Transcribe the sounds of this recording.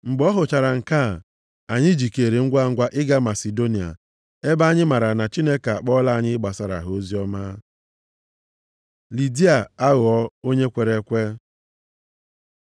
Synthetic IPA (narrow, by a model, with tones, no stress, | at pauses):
ŋ͡m̩˨ɡ͡bɔ˦ɦʊ˨t͡ʃa˨ɾa˨ŋ̩˨ka˦˨ | a˨ɲɪ˦d͡ʒi˨ke˨ɾe˨ŋ̩˦ɡʷa˦ŋ̩˦ɡʷa˦ʔɪ˦ɡa˦ma˨se˨do˦ni˨a̰˨ | e˦ba˦ɲɪ˦ma˨ɾa˨na˨t͡ʃi˦ne˦ka˨a˨k͡pɔ˦la˦a˨˦ɲɪ˦ɡ͡ba˨sa˨ɾa̰˨ɦo˦zi˦ɔ˦ma˦ | li˨di˦a˨a˦ɣʊ˨ɔ˦o˦ɲe˦kʷe˨ɾe˨˦kʷe˦